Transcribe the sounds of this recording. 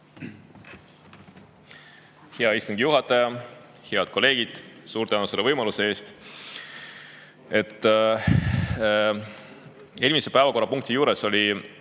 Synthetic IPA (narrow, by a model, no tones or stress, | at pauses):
heɑist̪uŋɡ̥ijuɦɑt̪ːˑɑjɑ | heɑd̪̥ko̞le̞ːɡ̥id̪̥suːɾt̪ænuse̞lːevɤjmɑluse̞eːst̪ | e̞t̪ːˑ | e̞lʲmise̞pæevɑko̞rːɑpuŋk̚t̪ijuːɾe̞so̞lʲi